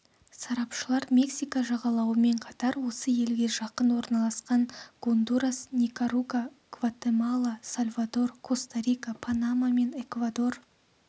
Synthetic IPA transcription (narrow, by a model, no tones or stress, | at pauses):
sɑɾɑpʃəlˠɑɾme̞ksijkaʒɑʁɑlˠɑwəme̞ɴqʰɑt̪ɑɾwo̞səje̞lɡʲe̞ʒɑqənwo̞ɾnɑlˠɑsqɑɴɡ̥ond̪uɾasnʲikaɾuka | kvat̪emalˠasalʲvad̪o̞rkʰo̞st̪aɾʲijkapʰanamame̞ne̞kvad̪o̞r